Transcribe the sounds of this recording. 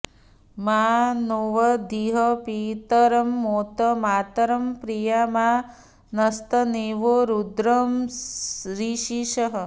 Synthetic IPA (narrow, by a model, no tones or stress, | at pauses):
maːnoːʋɐd̪iɦɐpit̪ɐɾɐmːoːt̪ɐmaːt̪ɐɾɐmpɾijamaː | nɐst̪ɐneːʋoɾud̪ɾɐm | ɾiʃiʃɐɦɐ